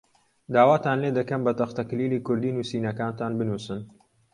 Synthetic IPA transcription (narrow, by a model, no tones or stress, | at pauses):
d̪aːwaːt̪ʰaːnled̪ɐkɐmbɐt̪ɐχt̪ɐkliːliːkʊɾd̪iːnuːsiːnɐkaːnt̪ʰaːnbɨnuːsɨn